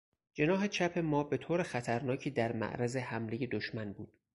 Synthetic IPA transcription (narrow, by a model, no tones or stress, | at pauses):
d͡ʒe̞nɒːɦe̞t͡ʃʰæpʰe̞mɒːbe̞t̪ʰoːɾexæt̪ʰæɾnɒːcʰiːd̪æɾmæ̰ʔɾæze̞hæmleje̞d̪oʃmænbuːd̪̥